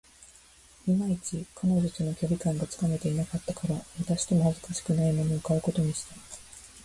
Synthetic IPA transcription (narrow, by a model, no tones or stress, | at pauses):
mʲimait͡ɕikʰanoʑot͡ɕono̞kʲo̞bʲikãŋɡat͡sɨ̥kame̞t̪e̞inakat̪ːakaɾaβat̪aɕi̥t̪e̞mo̞hazɨ̥kaɕi̥kɯ̟naimo̞noɯkaɯ̟ko̞t̪o̞ɲ̟iɕi̥t̪a